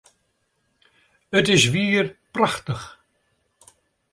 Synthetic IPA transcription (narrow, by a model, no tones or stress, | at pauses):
ət̪ɪʃviːɾpɾaxt̪əx